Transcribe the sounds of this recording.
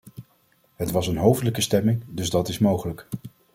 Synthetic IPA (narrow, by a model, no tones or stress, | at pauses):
ɦətʋɑsənɦowvdələkəstɛmɪŋdɵzdɑtɪsmowχələk